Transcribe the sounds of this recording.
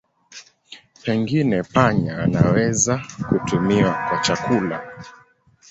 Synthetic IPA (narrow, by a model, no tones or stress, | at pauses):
pɛŋɡinɛpaɲa̰ːnawɛzakutumiwakwat͡ʃakula